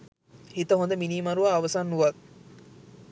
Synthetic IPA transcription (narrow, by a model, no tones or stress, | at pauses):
hit̪ɐɦond̪əminiːmɐɾuʋaːʋɐsaːnːuʋɐt̪